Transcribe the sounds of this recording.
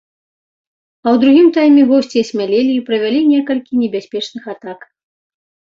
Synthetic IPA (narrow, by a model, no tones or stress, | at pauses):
ɐwd̪ɾuɣʲimt̪ajmʲɛɣɔsʲt͡sʲiɐsʲmʲalʲelʲiipɾɐvʲalʲinʲɛkɐlʲkʲinʲɛbʲasʲpʲɛt͡ʂnɨxat̪ak